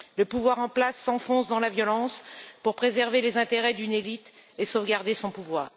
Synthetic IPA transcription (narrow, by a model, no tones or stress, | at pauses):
ləpuvwaʁɑ̃plasːɑ̃fɔ̃sd̪ɑ̃lavjɔlɑ̃spuʁpχezɛʁvelezɛ̃t̪eʁɛd̪ynelit̪esovɡaʁd̪esɔ̃puvwaːʁ